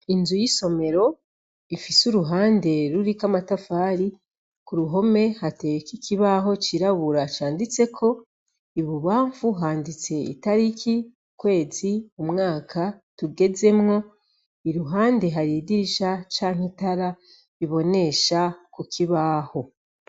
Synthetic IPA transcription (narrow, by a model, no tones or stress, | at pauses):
inzujiso̞me̞ɾo̞ | ifisuɾuɦaːnde̞ɾuɾikamatafaːɾi | kuɾuɦo̞me̞hate̞wekikʰiβaɦo̞t͡ʃiɾaβuɾat͡ʃaːndit͡se̞kʰo̞ | iβuβaːɱfuɦaːndit͡se̞ḭtaɾikʰiukwe̞ːziumŋaːkʰatuɡe̞ze̞mŋo̞ | iɾuɦaːnde̞ɦaɾidiʃat͡ʃaːŋ̥itaɾa | iβo̞ne̞ʃakukʰiβaho̞